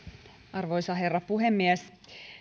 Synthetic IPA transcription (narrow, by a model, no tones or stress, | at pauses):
ʔɑrʋojsɑɦerːɑpuhemːiæs